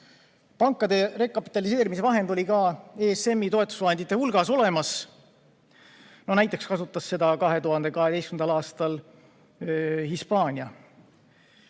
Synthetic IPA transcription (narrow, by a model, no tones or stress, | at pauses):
pɑŋkːˑɑd̪e̞ɾe̞kːˑɑpːˑi̥t̪ːˑɑlis̬e̞ːɾimise̞vɑɦe̞nd̪o̞lʲikɑeːse̞mːit̪o̞e̞t̪ːˑu̥svɑɦhend̪it̪ːˑe̞hulɡ̥ɑso̞le̞mɑs | nonæjt̪ːˑe̞kskɑsut̪ˑːɑsːe̞d̪̥ɑkɑɦe̞t̪uɦɑnd̪̥e̞kɑɦe̞d̪e̞jskymnd̪ɑlɑːst̪ɑl | hispɑːnʲiɑ